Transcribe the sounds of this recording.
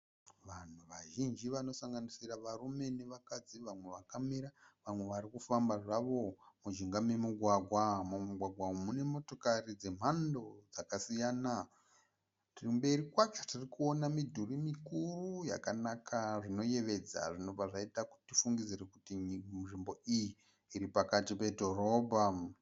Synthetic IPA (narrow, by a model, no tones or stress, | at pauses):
ʋan̤uʋaʒind͡ʒiʋano̞saŋɡanisiraʋaɾume̞ne̞ʋakad͡ziʋamwe̞ʋakamiɾaʋamwe̞ʋaɾikufambaʐaʋo̞mud͡ʒiŋɡame̞muɡʱwaɡʱwamumuɡʱwaɡʱwamune̞mo̞to̞karid͡ze̞m̤ando̞d͡zakasijaːna | tirimbe̞rikwaketirikuo̞namidʱurimikuruja̰kanakʰaʐino̞je̞ʋe̞d͡za̰ʐino̞b͡vaʐaitaku̥tifuŋɡid͡zirekutiʐimbo̞ijiː | ɾipakatipe̞dʱo̞ɾo̞ːbʱa